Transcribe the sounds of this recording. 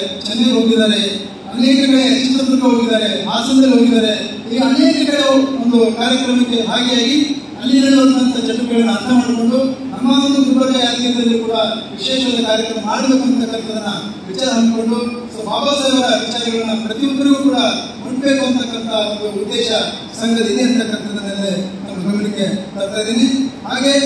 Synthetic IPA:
t͡ʃɐnːeɡɦo̞ːɡid̪aːɾe | ɐneːkɐnet͡ʃːut̪ɐt̪ɾɐɡuɦoɡid̪aːɾeɦaːsɐnd̪ɐlɦo̞ːɡid̪aːɾe̞ | iːɡɐːneːkɐnejɐond̪ukaːɾjɐkɾɐmɐkːe̞bʱaːɡɛjaːɡi | ɐlinɐɽʋɐnt̪ːɐnt̪ɐd͡ʒɐɳːukɛɐɭɐnːɐɐɾt̪ʰɐmaːɖuko̞ɳɖuɦɐmːaːd̪ɐnd̪ud̪ubɐɾɐjaːkjɐd̪ɐɾɐlɐɾukuːɽɐʋiʃeːʃɐʋɐd̪ɐkaːɾjɐkɾɐmɐɐaːɽɐnd̪ukːɐɳt̪ːɐkːɐnt̪ɐd̪ɐnːɐ | ʋit͡ʃaːɾɐɦɐɳd̪uko̞ɳɖu | soːbʱaːʋɐseːʋɐɾɐʋit͡ʃaːɾɐɡɐɭɐnːɐpɾɐt̪ijɔk̪ːɐɾɐɡukuːɽɐ | bɐɾupbe̞ːkuɐnt̪ɐkːɐnt̪ʰɐond̪uːd̪ːɛːʃɐ | sɐŋɡɐid̪eɐnt̪ʰɐkːɐnt̪ʰɐd̪ɐnɐlːenaːnubʱɐɡɐnikːe̞bɐɾt̪aːjid̪iːniɦaːɡe̞

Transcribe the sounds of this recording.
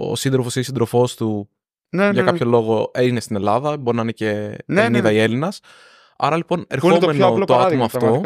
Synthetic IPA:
o̰sind̪ɾofosinisind̪ɾo̞fo̞st̪u | nʝɐkɐpço̞lo̞ɣo̞einest̪ine̞lɐðɐboɾinɐineceniðɐie̞linɐs | ɐ̰ɾɐlipo̞ne̞ɾotmenolt̪oɐomoɐftt̪o̞

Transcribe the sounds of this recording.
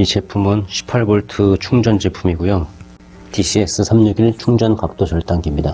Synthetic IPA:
it͡ɕe̞pʰumɯnɕʰi̥pʰːaɭbʌɭtʰɯt͡ɕʰuŋd͡ʑʌnd͡ʑe̞pʰumiɡujo | tiɕʰie̞s͈ʰɯsʰamɲuɡiɭt͡ɕʰuŋd͡ʑʌnkak̚t͈od͡ʑʌɭt͈aŋɡimɲida

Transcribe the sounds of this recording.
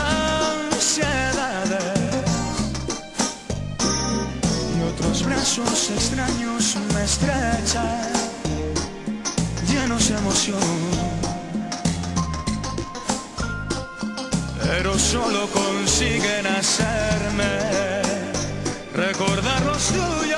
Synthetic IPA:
aŋsjeðaðe | ot̪ɾozβɾasosekst̪ɾaɲosmest̪ɾet͡ʃa | ʎenozemoθjoŋ | peɾosolokonsiɣenaseɾme | rekoɾðaɾlost̪uj

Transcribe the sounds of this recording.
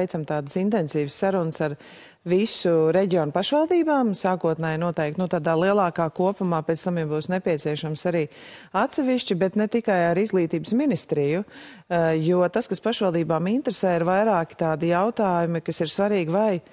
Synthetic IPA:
jt̪samt̪aːd̪sint̪ɛnsiːʋəsːaɾunsaɾ | visuɾɛɟiɔːnpaʃʋalˠd̪iːbaːmsaːkuɔt̪nɛjnuɔt̪ɛɪkt̪nut̪aːd̪aːlˠiɛlˠaːkaːkuɔpumaːpɛːt̪st̪amjabuːsnɛpiɛt̪siɛʃamsaɾiː | at̪sɛʋiʃt͡ʃibɛt̪nɛt̪ikajaɾizɡlˠiːt̪iːbsminist̪ɾiju | juɔt̪askaspaʃʋalˠd̪iːbaːmint̪ɾesɛːiɾvajɾaːkɪ̥t̪aːd̪ijaʊt̪aːjumikasiɾsvaɾiːɡvaj

